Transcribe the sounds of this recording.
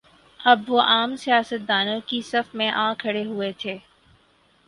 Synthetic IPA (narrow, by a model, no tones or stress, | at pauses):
ɐbʋoʔaːmsijaːsət̪̚d̪aːnõkisɐfmẽʔãːkʰːɐɽeɦuet̪ʰeː